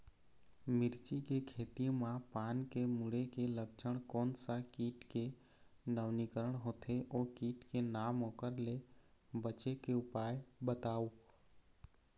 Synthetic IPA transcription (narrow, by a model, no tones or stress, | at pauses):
mɪɾt͡ʃikekʰeːt̪imãpankemuɽekeləkt͡ʃʰəɽ̃koːnsakiːʈke | nəʋnikəɾəɳ̃ɦoːt̪ʰeʔoːkiːʈkenamokəɾlebət͡ʃekeʊpajbət̪au